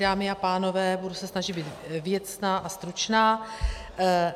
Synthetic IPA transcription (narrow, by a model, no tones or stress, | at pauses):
daːmɪapaːno̞vɛːbudusɛsnaʒɪd̪biːt̪vjɛt̪snaːʔast̪ɾut͡ʃnaː